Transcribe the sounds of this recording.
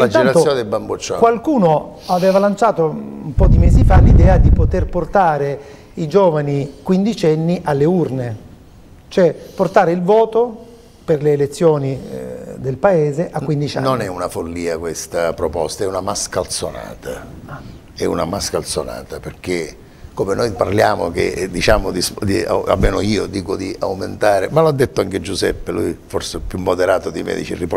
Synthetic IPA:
land͡ʒ̪ɛɾat̪osjoːned̪elbambot͡ʃːɔkwalkuːno | avɛːvalant͡ʃaːt̪oumpɔd̪imɛːzifalid̪ɛːad̪ipot̪erport̪aːɾe | id͡ʒoːvanikwind̪it͡ʃɛnːiʔalːeurne | t͡ʃoɛport̪aːɾeilvɔːt̪o | perleːlet̪sːjoːnid̪elpaeːzeʔakːwind̪it͡ʃanonɛunafolːiːakwest̪apɾopɔst̪aɛunamaskalt̪sona̰ːt̪a | ɛṵna̰maskalt̪sona̰ːt̪aperk̟e | komenojparljaːmo̰k̟ḛd̪it͡ʃaːmod̪isd̪ia̰a̰lmeːnoiːod̪iːkod̪iʔa̰wment̪aːɾemaload̪ːet̪ːoaŋk̟ed͡ʒuzɛ̰pːelujforsepjumːod̪eɾaːt̪od̪imɛ̰ːd̪ḭt͡ʃḭrip

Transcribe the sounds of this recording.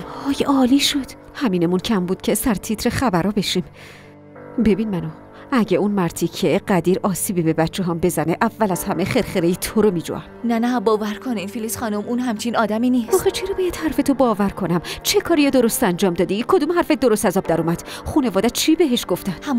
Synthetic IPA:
ɒːjʔɒːliːʃod̪̥ | hæmiːne̞muncʰæmbuːd̪̥̚cʰesæɾt̪ʰit̪ʰɾeχæbæɾɒːbe̞ʃim | be̞binmæno | æɟeunmæɾt̪ʰicʰeɢæd̪iːɾɒːsiːbibe̞bætt͡ʃʰeɦɒːmbe̞zæneʔævːælæz̥hæmeχeɾχeɾejit̪ʰoɾomiːd͡ʒo̰ʔæmnænæbɒːvæɾkʰoninfilisχɒːnumunhæmt͡ʃʰinɒːd̪æminiːsɒːxet͡ʃʰiɾɔbejæd̪̥hæɾfet̪ʰobɒːvæɾkʰo̞næmt͡ʃʰe̞kʰɒːɾijed̪oɾo̞st̪ænd͡ʒɒːmd̪ɒːd̪ikʰo̞d̪umhæɾfed̪o̞ɾost̪æzɒːb̚d̪æɾuːmæd̪̥ | χuːne̞vɒːd̪æt͡ʃʰibe̞ɦeʃɡ̥o̞ft̪ænd̪hæm

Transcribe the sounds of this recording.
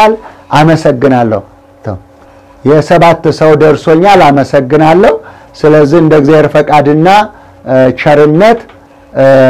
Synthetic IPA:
alʔaməsəɡːɨnalːə̰hu | t̪ʰə̰ | jɛsəβat̪ːsəwd̪əɾso̞ɲːalaməsəɡːɨnalːəhu | sɨləzːihɨnd̪əɡɨzeheɾfəkʼad̪ɨnːa | t͡ʃəɾɨnːət̪

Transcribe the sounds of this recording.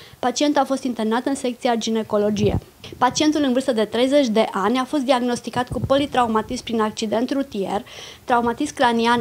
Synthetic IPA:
pat͡ʃie̞nt̪afo̞st̪int̪e̞rnat̪ɨnse̞kt̪siad͡ʒine̞ko̞lo̞d͡ʒije̞̰ | pat͡ʃie̞nt̪ulɨnvɨrst̪əd̪e̞t̪ɾe̞jze̞t͡ʃʲd̪e̞ʔanʲafo̞st̪d̪iaɡno̞st̪ikat̪kupo̞lit̪ɾaumat̪ispɾinak̚t͡ʃid̪e̞nt̪ɾut̪ie̞̰rt̪ɾaumat̪iskɾanian

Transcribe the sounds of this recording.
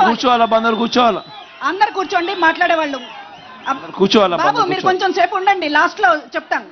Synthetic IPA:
kuɾt͡ʃuʋaːlɐbɐnd̪ɐɾkuːɾt͡ʃuʋaːlɐ | ɐnd̪ɐɾikuːɾt͡ʃoːɳɖimaːʈlaːɽɛːʋaːɭːu | ɐɐɾkuːɾt͡ʃuʋaːlɐbaːbumiːɾukoɲt͡ʃomseːpuɳɖɐɳɖilaːsʈlo̞ːt͡ʃɛp̚t̪aːn

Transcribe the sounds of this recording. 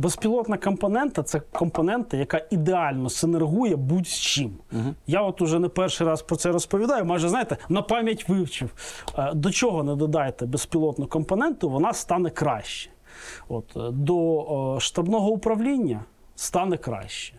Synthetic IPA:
bespʲilˠɔt̪nɐkɔmpɔnɛnt̪ɐt̪sɛkɔmpɔnɛnt̪ɐjɐkɑid̪eɑlʲnɔsenerɦujɛbutʲst͡ʃimjaɔt̪ʊʒɛnɛpɛrʃɪjɾɑspɾɔt̪sɛɾɔspɔʋʲid̪ɑjʊmɑʒɛzɑjɪt̪ɛnɐpɑmʲjɐtʲʋɪwt͡ʃiwd̪ɔt͡ʃɔɦɔnɛd̪ɔd̪ɑjet̪ɛbespʲilˠɔt̪nʊkɔmpɔnɛnt̪ʊʋɔnɑst̪ɑnɛkɾɑ̰ʃt͡ʃɛ̥ | ɔt̪d̪ɔʃt̪ɐbnɔɦɔʊpɾɐwlʲinʲːɐ | st̪ɑnɛkɾɑ̰ʃt͡ʃɛ̥

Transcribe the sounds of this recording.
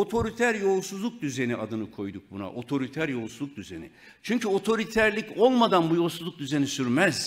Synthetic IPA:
o̞t̪ʰo̞ɾit̪ʰæɾjo̞lˠsuzlˠuk̚d̪yze̞niʔad̪ɯnɯkʰo̞jd̪uk̚buna̰ʔo̞t̪ʰo̞ɾit̪ʰæɾjo̞lˠsuzˠuk̚d̪yzḛnḭ | t͡ʃʰyɲcʰyo̞t̪ʰo̞ɾit̪ʰæɾlʲico̞lˠmad̪anbujo̞lˠsuzˠuk̚d̪yze̞nisyɾmɛz̥

